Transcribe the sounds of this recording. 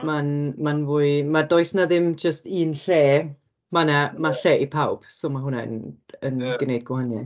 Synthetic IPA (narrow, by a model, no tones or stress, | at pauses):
manmanvuːɨmadɔɨsnaðɪmd͡ʒəstiːnɬeː | manamaɬeːʔipʰawb̥sɔːmaɦʊnaə̰nənɡ̥ənejd̚ɡwhanja̰